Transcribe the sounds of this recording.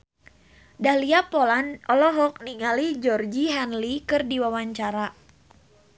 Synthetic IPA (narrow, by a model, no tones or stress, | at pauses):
dahliapolanɔlɔɦɔk̚niŋalid͡ʒɔrd͡ʒiɦanlikɨrdiwawaɲt͡ʃaɾa